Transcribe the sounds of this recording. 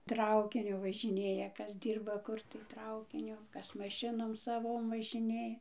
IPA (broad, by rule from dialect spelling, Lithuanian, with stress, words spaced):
ˈtrɐʊkʲɪnʲʊ ʋɐʒʲɪˈnʲeːjɛ ˈkɐs ˈdʲiːrbɐ ˈkʊr tɐɪ ˈtrɐʊkʲɪnʲʊ ˈkɐs mɐˈʃʲɪnoːm sɐˈʋoːm ʋɐʒʲɪˈnʲeː